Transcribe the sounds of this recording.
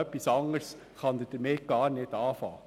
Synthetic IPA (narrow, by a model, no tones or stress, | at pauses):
œpːisɑŋəɾs | χɑnd̪əd̥əmɪɡ̥ɑːɾnɪdɑːfɑ̰ː